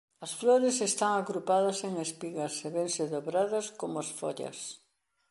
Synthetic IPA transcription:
ɐsfloɾesest̪aŋaɣɾupaðɐseŋespiɣɐseβeŋsɪðoβɾaðɐskomʊasfoʎɐ̰s

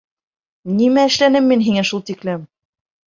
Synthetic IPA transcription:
nimæɘ̆ʃlænɘmːinɦiŋæʃulˠt̪iklɘm

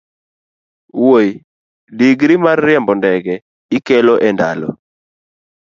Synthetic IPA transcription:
woj | diɡɾimarːɪɛmbɔndɛɡɛ | ikɛloʔɛnda̰lɔ̰

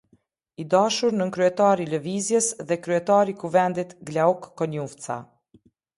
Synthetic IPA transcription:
id̪aʃuɾnəŋkɾyɛt̪aɾiləvizjəsðɛkɾyɛt̪aɾikuvɛnd̪it̪ɡlaukːɔɲuft͡sa̰

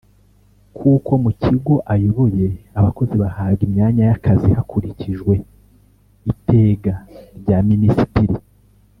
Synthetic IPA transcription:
kʰuːko̞mucʰiɡoʔajuβuje̞aβako̞ziβahaːbɡimɲaːɲajakazihakuɾiciʒwe̞ | ite̞ːɡaɾɟaːminisitiɾi

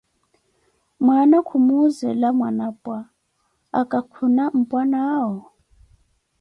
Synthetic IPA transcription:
mwanakʰumuzɛlamwanapʼwa | akʼakʰunam̩pʼwanaːɦɔ

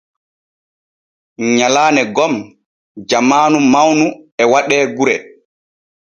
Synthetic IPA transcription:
ɲalaːnɛɡɔm | d͡ʒamaːnumawnuɛwaɗɛːɡuɾɛ

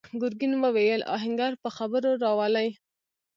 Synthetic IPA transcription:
ɡʊɾɡinwəwejəlʔɑ̰ɦɪŋɡɑɾpəxabəɾoɾɑwɑlaj

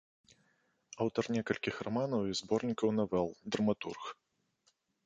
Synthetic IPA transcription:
awt̪ɐrnʲɛkɐlʲkʲixramanɐwizbɔrnʲikɐwnɐvɛlˠd̪ɾɐmat̪ṵrx

